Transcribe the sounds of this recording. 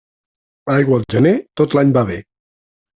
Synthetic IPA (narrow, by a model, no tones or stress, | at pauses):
ajɣwəːlˠʒənet̪ot̪laɲbaβe